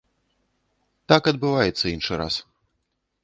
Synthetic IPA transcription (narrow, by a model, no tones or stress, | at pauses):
t̪akɐd̪̚bɨvajɛt̪sːɐinʂɨɾa̰s